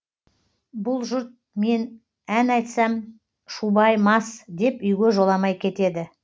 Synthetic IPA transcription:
bʊlˠʒʊɾt̪̚me̞n | ænɑjt̪sɑm | ʃubɑjmɑsd̪e̞pʏjɡʲe̞ʒo̞lˠɑmɑjkʲʰe̞t̪e̞d̪ɪ

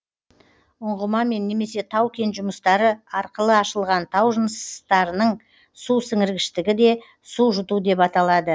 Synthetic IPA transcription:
ʊɴʁəmɑme̞nːe̞me̞se̞t̪ʰɑwkʲe̞nʒʊməst̪ɑɾəɑɾqəlˠəɑʃəlˠʁɑnt̪ʰɑwʒənəst̪ɑɾənəɴ | susɪŋɪɾɡʲɪʃt̪ɪɡʲɪd̪e̞ | suʒʊt̪ud̪e̞pɑt̪ɑlˠɑd̪ə

